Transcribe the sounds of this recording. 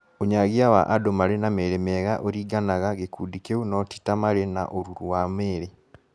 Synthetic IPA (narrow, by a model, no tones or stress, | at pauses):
oɲaɣiawa̰ʔadomaɾenameɾemeːɣaʔoɾiːɡanaɣaɣekuːdikeunɔti̥tamaɾena̰ʔoɾuɾuwameːɾe